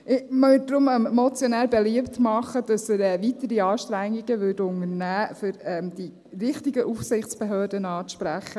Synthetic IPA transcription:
ʔɪməvɪd̥ɾʊmɛmmɔt͡sjɔnæːɾbeliəptmɑχəd̥ɑsəɾɛʋitəɾiɑːʃtɾæŋːiɡ̥əʋʏdʊŋəɾnæːfʏɾɛmd̥i | rɪχtiɡəʔufsɪχt͡sb̥eɦøːdənɑːʃpɾæχə

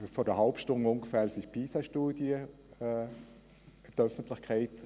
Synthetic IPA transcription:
fɔdəhaʊpʃtʊŋʊŋɡəfæːlsɪʃpʰiːsaʃtuːdjə | ɪbdœfən̩tlɪçkʰɛɪt

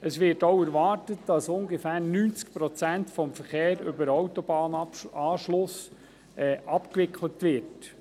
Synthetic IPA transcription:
əsʋɪɾtowæɾʋɑːrtət̚d̥ɑsʊŋɡefæːɾnyːnt͡sk̚pɾɔt͡sæntfɔmfəɾχeːɾʏbəɾɔwtɔbɑːnɑːʃlʊs | ɛːʔɑpkʋɪkʰlətʋɪɾt

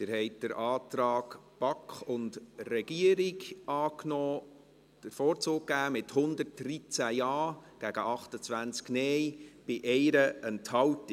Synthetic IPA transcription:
tɪːɾhɛɪtd̥əɾʔɑːtɾɑːɡ̥b̥ɑkχʊndrɛɡ̥iəɾɪɡɑːknɔː | d̥əɾfɔːɾt͡soːk̚ɡæːmɪthʊnd̪əɾtrit͡sæjɑːɡ̥æɡ̥əʔɑχtət͡sʋænt͡sknɛjb̥ɪʔɛjɾəɛnthɑwt

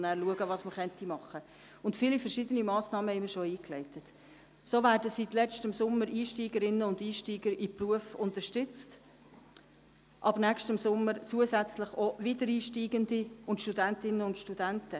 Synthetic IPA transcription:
næːɾluəɡəʋɑsməχœntimɑχə | ʊntfiːlifəɾʃidənimɑːsnɑːməhɛɪməɾʃɔiːklɛɪtət | soːvæːɾdəsitlɛt͡stəmsʊmːəɾiːʃtiːɡəɾɪnəʊndiːʃtiːɡəɾɪpruəfʊntəʃtʏt͡st | ʔɑbnæʃtəmsʊmːəɾt͡suːəsæt͡sləχɔʋidəɾiːʃtiːɡəndiʊntʃtudæntɪnːəʊntʃtud̥æntə

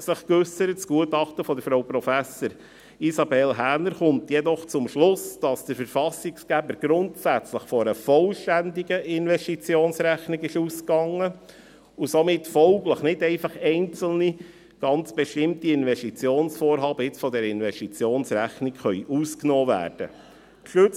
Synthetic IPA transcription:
sɪχkʏsəɾətt͡sɡ̥uətɑχtəfɔd̪əɾfɾawpɾɔfæsəɾ | isɑbɛlɦæɾnəɾχʊmtjɛdɔχt͡sʊmʃlʊsd̥ɑsd̥əɾfəɾfɑsɪksɡ̥æbəɾɡ̥ɾʊntsæt͡sləχfɔəfɔlʃtændiɡəʔɪnʋɛʃtit͡sjoːnsɾæχnɪkɪʃuskɑŋːə | usomɪtfɔlɡləχnɪdɛɪfɑχɛɪnt͡sl̩ni | ɡ̥ɑnt͡sb̥eʃtɪmtiɪnvɛstit͡sjoːnsfoːɾɦɑːbəɪt͡sfɔd̪ɛɾəɪnvɛstit͡sjoːnsɾæχnikχœʏjʔusknɔːvæ̰ːɾd̥ə̰ | ʃøt͡s

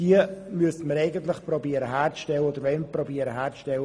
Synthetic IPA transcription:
d̥iəmyəsəməɾɛɪɡənt̪lɪχprobiːəɾəɦæːrt͡sʃtɛləoːdəɾvɛnprɔbiːəɾəɦæːɾt͡sʃtɛlə

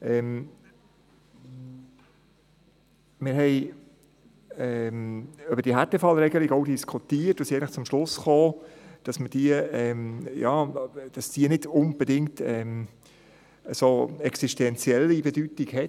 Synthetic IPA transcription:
ʔɛm | mɪɾɦɛɪ | ɛmøbəd̥iəɦætəfɑlɾɛɡəlɪɡoʊdiskʰutiətʊsiɛɪnləχt͡sʊmʃlʊsχoːd̥ɑsməd̥iəɛmjɑːd̥ɑsd̥iənɪdʊnb̥edɪŋktɛm | əsoːɛksiʃtɛnt͡sjɛlːibɛdytiɡhɛ

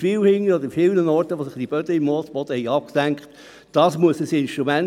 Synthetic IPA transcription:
viːwhɪŋːəɔd̪əɾifɪlnənɔrtəʋosɪχt̪ib̥œd̥̪əɪmːɔːsb̥ɔd̥̪əhɛɪɑp̚ksæŋkχt̪ | d̥ɑːsmuəsəsɪnʃt̪ɾumæn

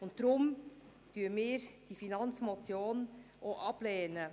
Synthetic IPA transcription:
ʊnttɾʊm | d̥yəmɪːɾd̥ifinɑnt͡smot͡sjoːnʔoʔɑb̥leːnə

